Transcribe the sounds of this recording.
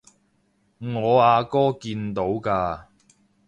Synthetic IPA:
ŋɔː˨˧aː˧kɔː˥kiː˧nt̪o˨˥wkaː˧

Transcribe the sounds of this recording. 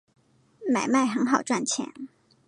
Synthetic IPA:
ma˨˩ɪma˥˩ɪxə˧˥ŋxɑ˨˩ʊʈ͡ʂwa˥˩nt͡ɕʰjɛ̰˧˥˦n

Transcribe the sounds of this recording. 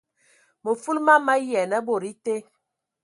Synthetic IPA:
mə˨fu˦lma˦ma˦jɛ˨nə˦bo˨ɾi˦te˦

